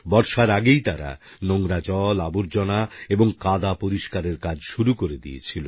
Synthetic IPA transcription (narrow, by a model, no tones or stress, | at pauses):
bɔɾʃaɾaɡejt̪aɾa̰ | noŋɾat͡ɕɔlaboɾd͡ʑɔnaeboŋkad̪apoɾiʃkaɾeɾkad͡ʑʃuɾukoɾed̪ḭḛt͡ɕʰilo